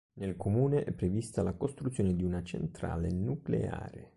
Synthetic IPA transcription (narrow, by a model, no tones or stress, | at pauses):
nelkomuːneʔɛpːɾevist̪alakost̪ɾut̪sːjoːned̪iunat͡ʃḛnt̪ɾa̰ːlenuklḛa̰ːɾḛ